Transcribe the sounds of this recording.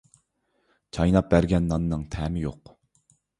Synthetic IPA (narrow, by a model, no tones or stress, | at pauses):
t͡ʃʰɑjnɑp̚bæɾɡʲɛnːɑnːɨŋt̪ʰɛːmɪjo̰q